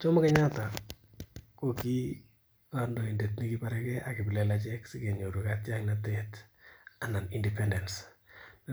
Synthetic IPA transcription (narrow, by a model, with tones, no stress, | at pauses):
t͡ʃo˦ma˦kɛɲata˨ | ko˨ki˦ | kandɔ˨i˨nde˨tni˦ki˦paɾɛkɛʔakɪ˨bi˨lelat͡ʃɛ˦ksɪ˦ke˨ɲo˨ɾu˨katjaŋnatɛta˨na˨ni˨ndɛpɛndɛ˨nsn